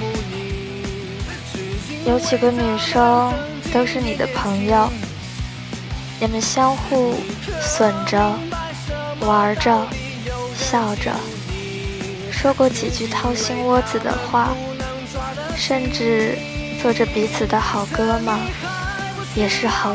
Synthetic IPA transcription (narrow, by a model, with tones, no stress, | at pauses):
jo˧˥ʊt͡ɕi˨˩ɡə˦ny˨˩ʂɤ˥ŋ | t̪o˥ʊʂɻ̩˥˩ni˨˩d̪ə̰˦pʰɤ˧˥ŋjo˥˧ʊ | nɛ˨˩mə˦˥nɕjɑ˥ŋxu˥˩swə˨˩nʈ͡ʂə˦ | wa˧˥ʈ͡ʂə˧ | ɕjɑ˥˩ʊʈ͡ʂə̰˧˩ | ʂwɔ˥kwɔ˥˩t͡ɕi˨˩t͡ɕy˥˧t̪ʰɑ˥ʊɕi˥ŋwɔ˥t͡sɹ̩˨˩d̪ə̰˦xwa˥˩ | ʂə˥˧nʈ͡ʂɻ̩˥˧ | t͡swɔ˥˩ʈ͡ʂə˩pi˧˥t͡sʰɹ̩˨˩d̪ə˦xɑ˨˩ʊkɤ˥mɐ˨ | jɛ˨˩ʂɻ̩˥˩xɑ˨˩